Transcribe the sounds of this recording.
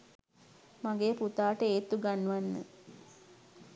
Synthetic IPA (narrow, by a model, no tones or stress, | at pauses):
maɡeːput̪aːʈəeːt̪uɡanːuʋanːə̰